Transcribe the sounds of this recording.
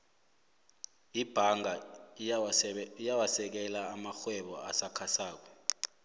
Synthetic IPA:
ib̥ʱaŋʱa | ijawasɛk̬ɛlaːmaxwɛɓɔa̰sakʰasaːk̬wɔ

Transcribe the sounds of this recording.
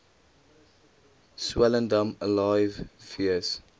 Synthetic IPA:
swɛləndəməlajvfiəs

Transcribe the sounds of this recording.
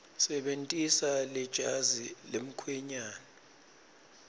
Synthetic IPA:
sɛɓentʼisalɛd̥ʒ̥ʱazilem̩kʰwɛɲaːnɛ

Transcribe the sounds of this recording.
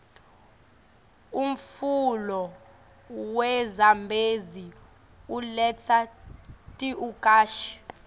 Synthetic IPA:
um̩fulɔ | wɛzambʱezi | ulɛt͡sʰa | tʼiukʼaːʃi̥

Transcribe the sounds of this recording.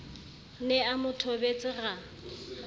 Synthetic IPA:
nɛamʊtʰobet͡sʼɪɣa

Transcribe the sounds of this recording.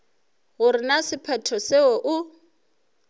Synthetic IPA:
ɣʊɾɪnasɪpʰɛtʰɔseɔʔʊ

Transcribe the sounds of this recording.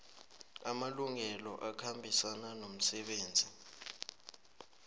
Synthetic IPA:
amaluŋɛlɔʔakʰambʱisananom̩sɛɓeːnd͡zʱi

